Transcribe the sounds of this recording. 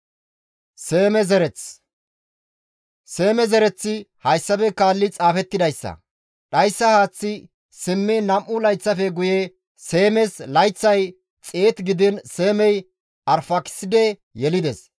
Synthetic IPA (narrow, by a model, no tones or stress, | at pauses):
se̞ːmɛzɛɾɛt͡s | se̞ːmɛzɛɾɛt͡sːɪhɐjsːɐbɛkaːlːɪt͡sʼaːfɛt̪ːɪd̪ɐjsːɐ̰ | ɗɐjsːɐhaːt͡sːɪ | sɪmːɛnɐmʔːʊlɐjt͡sːɐfɛɡʊjɛ | se̞ːmɛslɐjt͡sːɐj | t͡sʼeːt̪ɡɪd̪ɪnse̞ːmɛj | ʔɐɾfɐkɪ̥sɪd̪ɛ | jɛlɪd̪ɛs